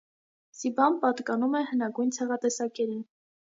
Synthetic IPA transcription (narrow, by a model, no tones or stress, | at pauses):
sibɑnpɑt̪kɑnumɛhənɑɡujnt͡sʰɛʁɑt̪ɛsɑkɛɾin